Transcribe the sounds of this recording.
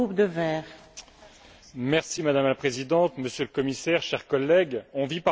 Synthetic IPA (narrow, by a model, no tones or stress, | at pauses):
up̚d̪əvɛːʁ | mɛʁsimad̪amlapχezid̪ɑ̃t̪məsjøləkɔmisɛʁʃɛʁkɔlːɛɡɔ̃vipa